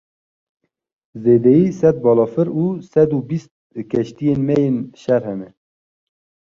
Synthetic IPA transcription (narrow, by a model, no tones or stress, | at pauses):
zeːd̪ɛjiːsɛt̪̚bɑːlɑːfɨɾuːsɛd̪ubist̪̚kʲʰɛʃt̪ijenmɛjeːnʃɛɾɦɛmɛ